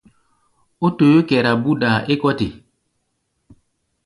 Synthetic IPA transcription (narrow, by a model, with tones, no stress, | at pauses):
o˦to˨jo˦kɛ˨ɾa˨bu˦da˨e˦kɔ˦te˨